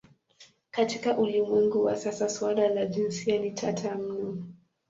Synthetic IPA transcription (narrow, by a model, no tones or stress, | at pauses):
katikaʔulimwɛŋɡuwa̰sasaswalalaʄinsianitʰatʰam̩nɔ